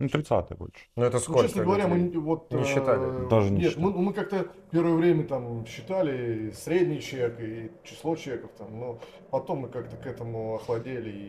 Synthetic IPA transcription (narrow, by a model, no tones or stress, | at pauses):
nut̪ɾʲɪt̪sa̰t̪ɨ̰jəbo̰lʲʂɨ̥noɛt̪əsk̪ot͡ɕesnɡəvɐɾʲamɨvo̞t̪̚nʲɪɕːɪt̪alʲɪd̪anʲinʲet̪mɨnomɨkak̚t̪əpʲe̞ɾvəjəvɾʲemʲət̪amɕːɪt̪alʲɪsɾʲedʲnʲɪjt͡ɕʲekɨt͡ɕɪ̥slˠo̞t͡ɕʲekəft̪amno | pɐt̪o̞mːɨkakt̪əkɛt̪əmʊɐxlˠɐdʲelʲɪ